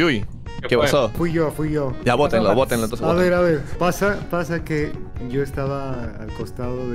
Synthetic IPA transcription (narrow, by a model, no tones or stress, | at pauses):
uj | kepasofwiʝofwiʝod͡ʒaβot̪enloβot̪enlont̪oseaβe̞ɾaβe̞ɾpasapasakeʝo̞est̪aβaː | lko̞st̪aðoðe